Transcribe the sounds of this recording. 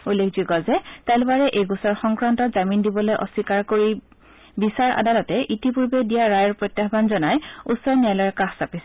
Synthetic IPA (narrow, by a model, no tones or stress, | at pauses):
ulːekʰziɡɔzɛtalbaɹɛʔejɡusɔɹxɔŋkɹantɔtzamindibɔlojʔɔ̰sikaɹkoɹi | bisaɹʔa̰dalɔtɛʔitipuɹbedijaɹajɔɹpɹotjaxbanzɔnajusɔɹniajlɔɹkaxsapisɛ